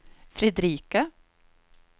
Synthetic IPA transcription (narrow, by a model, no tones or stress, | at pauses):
fɾɪd̪ɾiːkə